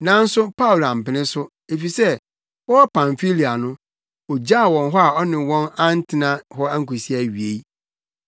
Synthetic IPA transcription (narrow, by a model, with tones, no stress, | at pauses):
nã˨˦n̩˦sʊ˦pʰa˦wʊ˨lã˨m̩˨pɪ˨˦nɪ̃˦sʊ˦ | e˨fi˨sɛ˦ | wɔ˦wɔ˦pʰã˨ɱfi˦li˨a˨nʊ̃˦ | ɔ˨d͡ʑa˦˨wɔ̃˨nɦɔ˦a˨ɔ˦nɪ̃˨wɔ̃˦nã˦n̩˦tʰɪ˨nã˦ɦɔ˦a˦ŋ̩˦ku˨si˦a˨ɥi˨e˨i˦